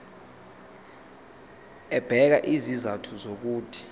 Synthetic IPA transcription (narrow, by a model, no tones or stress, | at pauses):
ɛb̥ʱɛk̬aʔizizatʰuzok̬uːd̥ʰʱi̥